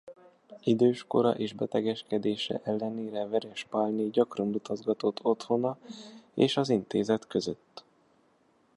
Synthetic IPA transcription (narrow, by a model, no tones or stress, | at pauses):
id̪øːʃko̞̰ɾɒ̰ʔeːʒbɛt̪ɛɡɛʃkɛd̪eːʃɛ̰ʔɛlːɛneːɾɛvɛɾɛʃpaːlneːɟɒkrɒnlut̪ɒzɡɒt̪o̞t̪ʰːo̞t̪ho̞nɒeːʃɒzint̪eːzɛt̪kø̞zø̰t̪ː